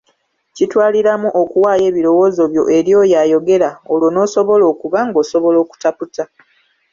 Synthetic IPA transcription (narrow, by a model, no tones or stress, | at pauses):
citwaːliɾamuʔokuwaːje̞ːβiɾo̞wo̞ːzo̞βjo̞ʔe̞ɾjo̞ːjajo̞ɡe̞ɾaolwo̞no̞so̞βo̞lo̞ːkuβaŋɡo̞ːso̞βo̞lo̞ːku̥taputa